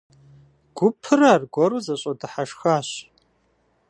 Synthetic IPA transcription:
ɡ̥ʷʊpʰɨrarɡʷɔɾuzɐɕʼɐdɨħaʂxaːɕ

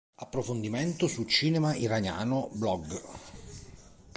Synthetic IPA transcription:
apːɾofond̪iment̪osult͡ʃiːnemaiɾanja̰ːnoblɔɡ

